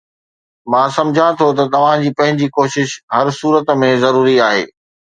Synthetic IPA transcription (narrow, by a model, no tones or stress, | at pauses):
mãːsɐ̃md͡ʑʱãt̪ʰot̪ɐt̪ɐʋ̤ãd͡ʑiːpɐ̃ɦɪ̃ɲd͡ʑikoːʃɪʃɦɐɾsuːɾət̪mẽzɐɾuːɾiaːɦḛː